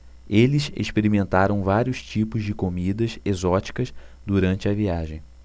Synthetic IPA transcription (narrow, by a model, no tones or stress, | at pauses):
elɪsḛʃpeɾimẽnt̪aɾɐ̃w̃vaɾiʊst͡ʃipʊzd͡ʒɪkomid̪ɐsezɔt͡ʃi̥kɐsd̪uɾɐ̃nt͡ʃɪɐviaʒẽj̃